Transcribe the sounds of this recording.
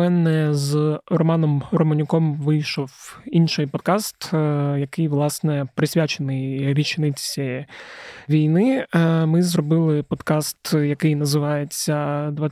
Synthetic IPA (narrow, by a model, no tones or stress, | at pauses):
mɛnɛzrɔmɑnɔmrɔmɐnʲʊkɔmʋɪjʃɔwinʃɪjpɔd̪̚kɑst̪jɐkɪjʋlˠɑsnɛpɾɪsʲʋʲat͡ʃenɪjʋʲit͡ʃnɪt͡sʲi | ʋʲijnɪmɪzrɔbɪlˠɪpɔd̪kɑst̪jɐkɪjnɐzɪʋɑjet͡sʲːɐd̪ʋɑ